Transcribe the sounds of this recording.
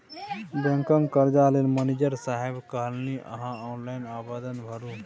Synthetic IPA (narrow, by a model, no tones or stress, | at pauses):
bẽŋkə̃ŋɡkəɾd͡ʒaːlenmənid͡ʒəɾsaɦebkəɦəlniʔə̰ɦãɔːnlaːinaːbad̪ənbʱəɾu